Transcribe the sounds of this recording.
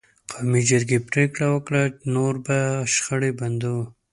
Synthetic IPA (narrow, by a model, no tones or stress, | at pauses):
qʰawmid͡ʒɪɾɡepɾekɽawəkɽanoɾbaʃxəɽeband̪u